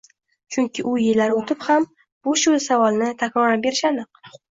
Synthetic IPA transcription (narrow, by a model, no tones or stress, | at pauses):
t͡ʃʰʊŋkʲʰɪʔʊjɪlːaɾot̪ʰɪpham | b̥ʊʃʊsavɒlˠnɪt̪ʰakʲɾɒɾabe̞ɾɪʃanɪq